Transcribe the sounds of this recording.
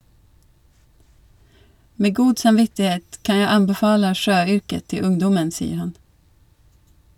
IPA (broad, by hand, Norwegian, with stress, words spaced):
ˈmeː ˈɡuːd sɑmˈʋɪtɪˌheːt ˈkɑn ˈjæɪ ˈɑmbɛˌfɑːlə ˈʃøːˌʏɾkə ˈtɪ ˈʊŋdɔmən ˈsiːə ˈhɑn